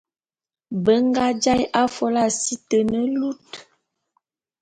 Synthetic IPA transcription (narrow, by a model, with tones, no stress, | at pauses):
bə˦ŋ˦ɡa˦d͡ʒa˦jʔa˦fɔ˨la˦si˦tə˨nə˦lu˦t